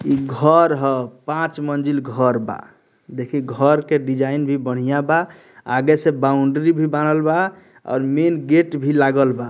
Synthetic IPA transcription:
iɡʱɔɾɦəpãt͡ʃmənd͡ʒilɡʱəɾba̰ | d̪ekʰiɡʱəɾkeɖid͡ʒainbʱibəɽ̤ijaba | a̰ɡesẽbaũɳɖɾibʱibanəlba | ɔ̰ʊɾmenɡeʈbʱilaɡəlba

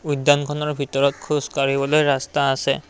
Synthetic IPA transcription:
ujdːankʰɔnɔɹbʱitɔɹɔt̚kʰuskaɹibɔlojɹastaːsɛ̰

